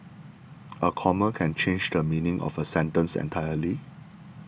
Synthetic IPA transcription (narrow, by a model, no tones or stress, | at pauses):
ʔəkʰɔməkʰɛ̃nt͡ʃʰẽnd͡ʒdəmĩnɪ̃ŋʔɔ̰fəsɛ̃ntə̃nsɛ̰̃ntʰaɪəli